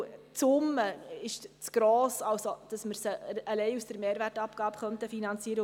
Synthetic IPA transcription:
t͡sʊmːəɪʃt͡sɡ̥ɾɔːsɑlsod̥ɑsməɾsəəlɛɪusd̥əɾmeːɾværtɑpkɑːbəχœnt̪əfinɑnt͡siːəɾə

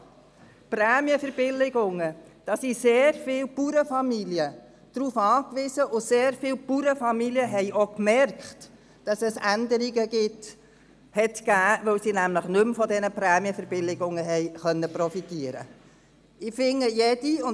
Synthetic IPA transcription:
pɾæːmjəfəɾb̥ɪlɪɡʊŋəd̥ɑsiseːɾfɪːwpuɾəfɑmiliə | d̥ɾuːfɑːkʋɪzəʔʊseːɾfɪːwpuɾəfɑmiljəɦɛɪʔokmɛrkχt | d̥ɑsɛsændəɾiɡəɡɪt | hɛtɡ̥æːʋœwsinæmləχnɵmfɔdɛnəpɾæːmjəfəɾb̥ɪlɪɡʊŋəɦɛɪχœnːəpɾɔfitiəɾə̰ | ɪfɪŋːəjɛd̥iʊn

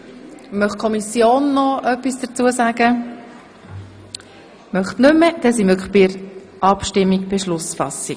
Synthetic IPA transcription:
mœχkʰɔmisjoːnːɔœpisd̥ət͡suːəsaːɡə | mœχtnʏməd̥ɛsimøkχb̥ɪəɾ | ʔɑpʃtɪmːiɡb̥eʃlʊsfɑ̰sik

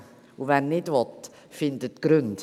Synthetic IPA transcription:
uvɛnnɪdvɔt̪ | fɪnd̪ətɡ̥ɾʉnt

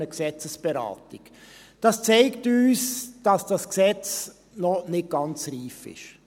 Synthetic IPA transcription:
əksɛt͡səsb̥ɛɾɑ̰ːtik | d̥ɑst͡sɛɪktyːsd̥ɑsd̥ɑsksɛt͡s | nɔnɪt̚ɡ̥ɑnt͡sriːfɪ̰ʃ

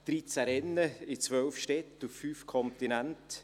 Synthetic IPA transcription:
d̥ɾit͡saɾɛnːəɪt͡svœlfʃtɛtufːyːfkʰɔntinænt

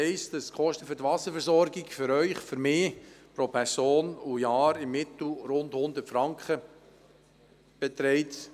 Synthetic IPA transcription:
ɛɪsd̥əskχɔʃtəfyɾtʋɑsəfəɾsɔɾɡɪɡfʏɾœʏχfʏɾmeːpɾopʰɛɾsoːnujɑːɾɪmːɪt̪l̩ɾʊndhʊnd̪ətfɾɑŋkχə | b̥ɛt̪ɾɛɪt

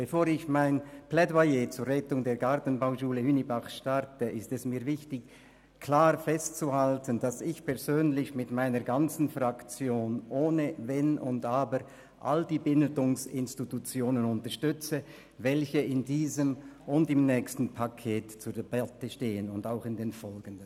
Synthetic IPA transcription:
b̥efoːɾɪçmaɪnplɛdwajet͡suːɾʁɛtʊŋdeːɡaʁtn̩baʊʃuːləhynibaχʃtaʁtəʔɪstɛsmiːɐvɪçtɪç | kʰl̥aːʁfɛstt͡suhaltənd̥asɪçpʰɛɐʁzøːnlɪçmɪtmaɪnəʁɡant͡sn̩fʁakt͡sjoːnʔoːnəvɛnʊ̰ndaːbə | ʔa̰ld̥iːbɪntʊŋsɪnstitut͡sjoːnənʊntəʁʃtʏt͡sə | vɛlçəɪndiːzəmʊndɪmnɛːkstn̩pʰakʰeːtt͡suːɐdeb̥atəʃteːənʊndaʊxɪndeːnfɔlɡəndən

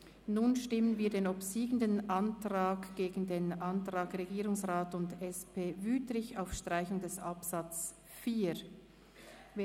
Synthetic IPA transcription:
nuːnʃtɪmənviːɐdeːnopsiːɡəndənʔɑntʁaːkɡ̥eːɡn̩deːnʔɑntʁ̥aːkʁeɡiːʁʊŋsʁaːtʊndɛspeːvyːtlɪçaʊfʃtʁ̥aɪçʊŋdɛsʔɑpsɑt͡s | fiː | veː

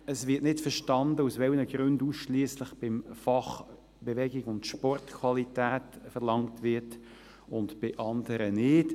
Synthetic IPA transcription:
əsʋɪtnɪtfəɾʃtɑndəusʋɛlnəɡ̥ɾʉnduːsʃliːsləχb̥ɪmfɑχ | b̥ɛʋɛɡɪɡʊntʃpɔrtkʰwɑlitæːtfəʁlɑŋtʋɪt | ʊntb̥ɪʔɑndəɾənɪːt

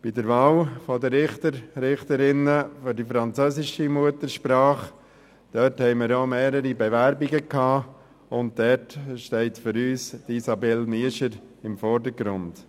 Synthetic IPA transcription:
b̥idəɾʋaːwfɔdəɾɪχtəɾɾɪχtəɾɪnəfʏɾdifɾɑnt͡sœːsɪʃimuətəɾʃpɾɑːχ | d̥œthɛɪməɾomeːɾəɾibɛʋæɾbiɡəkʰhɑː | ʊnt̚dɛtʃtɛɪtfʏɾyːsd̥isɑbɛlniəʃəɾɪmfɔɾdəɾɡɾʊnd̥

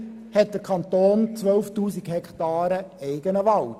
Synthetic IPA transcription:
hɛt̚d̪̥əɾkʰɑnt̪oːnt͡sʋœlftuːsiɡ̥hɛkt̪ɑːɾəɛɪɡənəʋɑl

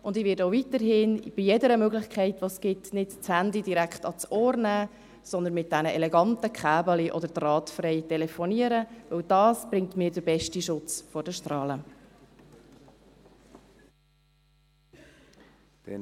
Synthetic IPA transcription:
ʔʊndɪʋɪːdowvitəɾɦɪːnb̥ijɛdəɾəmøɡlɪχkχɛɪtʋosɡ̥ɪtnɪdt͡shændidiɾækχtɑt͡sɔːɾnæː | sɔnd̪ənmɪt̚d̥ænəʔɛlɛɡɑntəkχæːbəliʔɔd̪əɾdrɑːtfrɛɪtɛlɛfɔniəɾəvɵwdɑːsb̥ɾɪŋtmiːɾdəɾbɛʃtiʃʊt͡sfɔɾd̥əʃtrɑːlə

